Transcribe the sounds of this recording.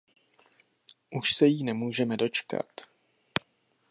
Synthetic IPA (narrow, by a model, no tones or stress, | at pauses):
ʔuʃsɛjiːnɛmuːʒɛmɛdo̞t͡ʃka̰t̪